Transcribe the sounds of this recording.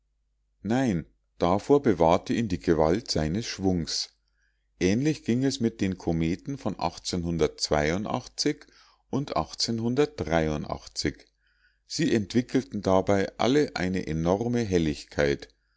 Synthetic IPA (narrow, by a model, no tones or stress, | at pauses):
naɪn | d̥afoːɐbəvaːɐtəiːmdiːɡəvaltz̥aɪnəsʃv̥ʊŋs | ʔɛːnlɪçɡ̥ɪŋɛsmɪt̚d̥eːnkʰomeːtn̩fɔnʔa̰χt͡senɦʊndɐtt͡sv̥a̰ɪʊntʔa̰χt͡sɪç | ʔʊntʔa̰χt͡senɦʊndɐt̚d̥ʁaɪʊntʔa̰χt͡sɪç | z̥iːʔɛntv̥ɪkl̩tn̩dabaɪʔa̰ləʔa̰ɪnəʔenɔʁməɦɛlɪçkʰaɪt